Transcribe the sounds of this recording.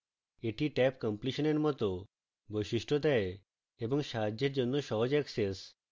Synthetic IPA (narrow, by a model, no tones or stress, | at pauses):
eʈiʈɛpkəmpliʃɔneɾmɔt̪ɔ | bojsiʃʈʰɔd̪ae | ebɔŋʃaɦad͡ʑeɾd͡ʑonːɔʃɔɦɔd͡ʑɛkses